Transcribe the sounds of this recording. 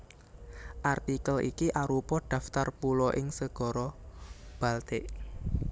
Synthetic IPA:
ʔart̪ikəlʔḭkiʔaɾupɔɖ̥ä̤ft̪arpulɔʔɪŋsəɡ̥ɔ̤ɾɔb̥a̤lt̪ɪʔ

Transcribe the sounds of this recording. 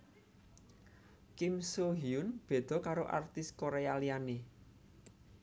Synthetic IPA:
kɪmsoɦiʊnb̥e̤d̪̥ɔ̤kaɾoʔa̰rt̪ɪskoɾejalijane

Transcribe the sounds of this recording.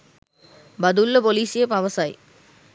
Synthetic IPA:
bɐd̪ulːɐpoliːsɪjepɐʋɐsaːj

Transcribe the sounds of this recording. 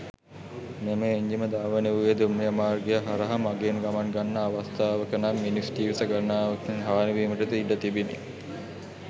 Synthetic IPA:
nemeːɲd͡ʒiməd̪aːʋəneʋujed̪umːijəmaːrɡejəɦaɾɐɦamaɡeːnɡamaŋɡanːəaʋast̪aːʋəkənamːinisʈiːʋsɐɡanaːʋkŋɦaːniʋiːməʈət̪əiɖət̪ibinḭ

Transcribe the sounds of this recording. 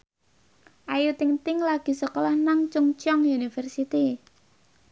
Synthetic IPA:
ʔajut̪iŋt̪ɪŋlaɡ̥i̤səkɔlɔhnaŋt͡ʃuŋt͡ʃɔŋjunifərsit̪i

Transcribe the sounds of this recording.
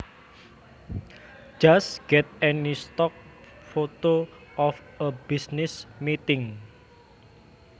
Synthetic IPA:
d͡ʒasɡ̥ɛt̪̚ɛnist̪ɔk̚ | fot̪oʔɔf | əbisnɪsmit̪ɪŋ

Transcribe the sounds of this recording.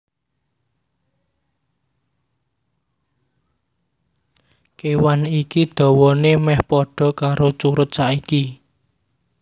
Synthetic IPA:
kewanikid̪̥ɔ̤wɔnemɛhpɔɖ̥ɔ̤kaɾot͡ʃuɾʊt̪̚saʔiki

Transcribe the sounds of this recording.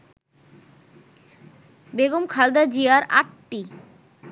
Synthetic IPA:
beɡomkʰald̪ad͡ʑiaɾa̰ʈʈi

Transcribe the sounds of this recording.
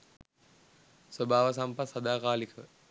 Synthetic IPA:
swəbʱaːʋəs̬ampat̪sɐd̪aːkaːlikə

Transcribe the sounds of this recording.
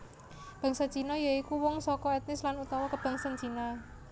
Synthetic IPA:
b̥ä̤ŋsɔd̥ʒ̥i̤nɔjaikuwɔŋsɔkɔɛt̪̚nɪslanut̪ɔwɔkəb̥ä̤ŋsand͡ʒ̥inɔ

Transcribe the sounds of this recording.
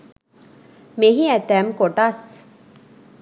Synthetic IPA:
meɦiɛt̪ɛmkoʈas

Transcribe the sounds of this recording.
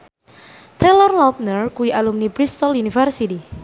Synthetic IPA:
t̪ɾelɔrlɔp̚nərkuiʔalumnipɾist̪ɔlunifərsit̪i

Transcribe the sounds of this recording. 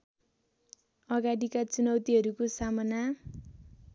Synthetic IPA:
ʌɡaɽikat͡sunʌwt̪iɦʌɾukosamʌna

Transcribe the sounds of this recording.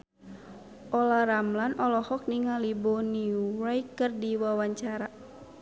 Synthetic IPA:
ʔɔlaɾamlanʔɔlɔhɔk̚niŋalibɔniuɾaikɨrdiwawaɲt͡ʃaɾa

